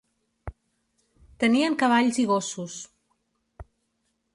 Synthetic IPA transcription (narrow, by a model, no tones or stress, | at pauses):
t̪əniəŋkəβ̞aʎziɣ̞osus